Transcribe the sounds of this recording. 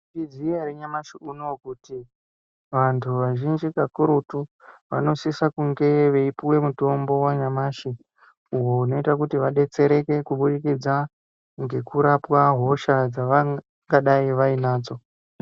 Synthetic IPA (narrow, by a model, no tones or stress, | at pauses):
id͡zieɾiɲamaʃiunokuti | ʋantʰuʋaʒind͡ʒikakuɾutuʋa̰no̞sisakuŋɡe̞ʋe̞ipiwe̞muto̞mbo̞waɲamaːʃi | uɦouno̞itakutiʋaɗe̞t͡se̞ɾe̞ke̞kuɓuɗikid͡za | ŋɡe̞kuɾapwaɦo̞ʃad͡zaʋa | ŋɡaɗaiʋainaːd͡zo̞